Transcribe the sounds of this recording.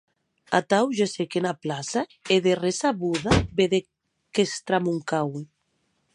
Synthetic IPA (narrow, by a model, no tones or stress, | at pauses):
a̰t̪awʒesekenaplasaeðeresaβuðabeðe | kest̪ɾamuŋkawe